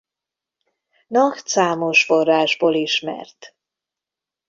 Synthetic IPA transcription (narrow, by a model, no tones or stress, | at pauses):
nɒkt̪saːmoʃforːaːʒboːliʃmɛ̰rt̪